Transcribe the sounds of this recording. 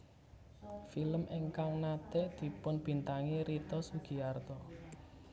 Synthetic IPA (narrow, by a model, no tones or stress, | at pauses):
filəmʔeŋkaŋnat̪ɛd̪̥i̤pʊnb̥i̤nt̪aŋiɾit̪ɔsuɡ̥i̤ard̪ɔ